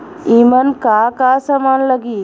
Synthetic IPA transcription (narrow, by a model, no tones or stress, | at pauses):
imənkaːkaːsɐmaːnləɡi